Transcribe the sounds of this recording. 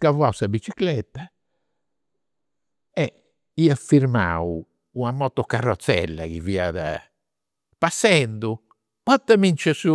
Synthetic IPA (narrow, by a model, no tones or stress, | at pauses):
kavuasabit͡ʃiklɛt̪ːa | ɛ | iafiɾma̰u | uamɔt̪ːɔkarːɔt̪sːɛ̰lːa̰kivia̰ða̰ | pasːɛnd̪u | pɔt̪ːɛmint͡ʃɛsu